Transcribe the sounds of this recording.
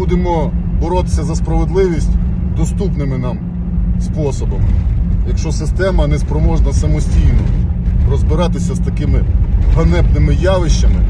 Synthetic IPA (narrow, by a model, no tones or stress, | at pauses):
ud̪emɔbɔɾɔt̪ɪ̥sʲɐzɐspɾɐʋed̪lˠɪʋʲisʲtʲd̪ɔst̪upnɪmɪnɑm | spɔsɔbɐmɪ̰jɐkʃt͡ʃɔsɪst̪ɛmɐnɛspɾɔmɔʒnɐsɐmɔsʲtʲijnɔrɔzbɪɾɑt̪ɪsʲɐst̪ɐkɪmɪɦɐnɛpnɪmɪjɑʋɪʃt͡ʃɐmɪ